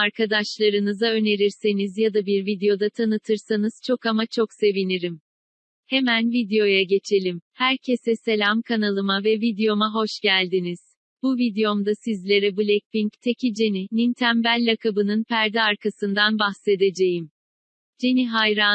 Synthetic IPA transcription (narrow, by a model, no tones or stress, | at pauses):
aɾkʰad̪aʃlˠaɾɯnɯzaø̞ne̞ɾiɾse̞nizjad̪abiɾvid̪ejo̞d̪at̪ʰanɯt̪ʰɯɾsanɯz̥t͡ʃʰo̞kamat͡ʃʰo̞kse̞viniɾim | he̞mænvid̪ejo̞jaɟe̞t͡ʃʰe̞lʲimhæɾcʰe̞sɛse̞lʲamkʰanalˠɯmavɛvid̪ejo̞maɦo̞ʃɟælʲd̪iniz̥ | b̥uvid̪ejo̞md̪asizlʲe̞ɾɛbulʲɛc̚piɲct̪ʰecʰid͡ʒe̞ninint̪ʰæmbælʲːakʰabɯnɯnpʰæɾd̪ɛaɾkʰasɯnd̪anbaxse̞d̪e̞d͡ʒe̞jim | d͡ʒeniɦajɾa